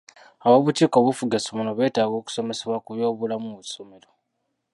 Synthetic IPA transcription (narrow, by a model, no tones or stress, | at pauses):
aβoβutiːkoβufuɡasomunoβe̞ːtaːɡo̞ːku̥so̞me̞se̞βwakuβjo̞ːβulamuβuso̞me̞lo